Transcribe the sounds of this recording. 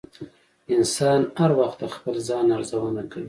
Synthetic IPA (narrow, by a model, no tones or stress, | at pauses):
ɪnsɑnhaɾwaxt̪axpəlzɑnaɾzawanakawi